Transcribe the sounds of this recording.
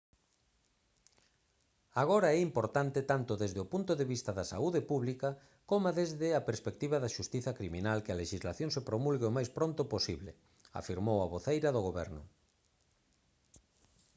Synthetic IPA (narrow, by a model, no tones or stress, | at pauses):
aɣoɾaɛimpoɾt̪ant̪ɪt̪ant̪ʊðezðeopunt̪oðeβist̪ɐðɐsa̰uðepuβlikɐ | komaðezðɪapeɾspek̚t̪iβɐðɐʃust̪iθɐkɾiminalkɪaleʃizlaθjõŋsepɾomulɣeomajspɾõnt̪oposiβlḛ | a̰fiɾmowɐβoθejɾɐðoɣ̞oβɛɾnʊ̰